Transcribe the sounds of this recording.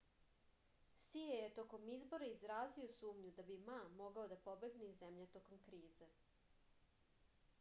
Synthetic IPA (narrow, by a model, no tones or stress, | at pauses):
siejet̪o̞ko̞mizbo̞ɾaizɾaːzio̞suːmɲud̪abimamo̞ɡaod̪apo̞be̞ɡneizemʎet̪o̞ko̞mkɾiːze